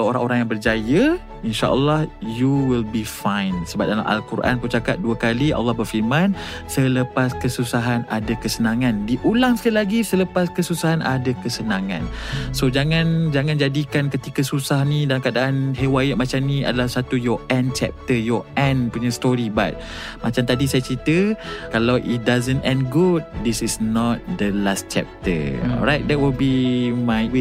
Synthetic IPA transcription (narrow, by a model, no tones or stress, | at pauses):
oɾãŋoɾaŋjaŋbərd͡ʒajə | inʃa̰ʔə̰lːɑhjuwilbifãjnsəba̰ʔ̚dala̰mʔa̰lkuɾʔa̰nput͡ʃakat̪̚duakaliʔa̰lːɑhbərfirmãnsələpaskəsusaɦanadakəsənãŋãndiʔulaŋsə̥kalilaɡisələpaskəsusaɦanʔadakəsənãŋã̰nsod͡ʒaŋãnd͡ʒaŋãnd͡ʒadikankət̪ikasusahnidalaŋkadaʔanɦewajət̚mat͡ʃamnĩa̰dalahsat̪ujɔʔɛ̃nt͡ʃɛ̰p̚t̪əjɔɛ̃npuɲast̪oɾiba̰t̪̚ | mat͡ʃamt̪adisajat͡ʃɾit̪əkalawʔit̚dazə̃ntɛ̃nɡud̚d̪isisnɔt̪̚d̪əlas̚t͡ʃɛ̰p̚t̪ə̰ɾajt̪̚d̪ɛt̚wilbimajwe